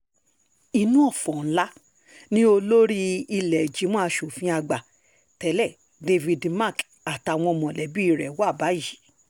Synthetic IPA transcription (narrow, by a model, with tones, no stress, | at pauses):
i˧nũ˦ɔ˦˨fɔ̃˨n̩˦la˦ | nĩ˦o˧lo˦ɾi˦i˧lɛ˨d͡ʒi˨˦mɔ̃˦a˧ʃo˨fĩ˧a˧ɡ͡ba˨ | tɛ˨˦lɛ˦˨ | de˧vi˨dma˦˨k | a˨ta˨˧˨w̃ɔ̃˧mɔ̃˨lɛ˨˦bi˦i˦˧˨ɾɛ˨wa˦˨ba˨˦i˦˨ji˨˦